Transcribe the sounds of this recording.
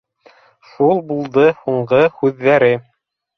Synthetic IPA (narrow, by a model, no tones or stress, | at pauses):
ʃulˠbulˠd̪ɤhuɴɢɤhʉðːæɾɘ